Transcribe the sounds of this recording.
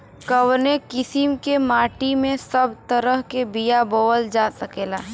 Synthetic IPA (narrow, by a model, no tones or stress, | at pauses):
kəʋnekɪsɪmkemaːʈimẽsɐbt̪əɾəɦkebijaboːʋəld͡ʒaːsəkeːlaːɦ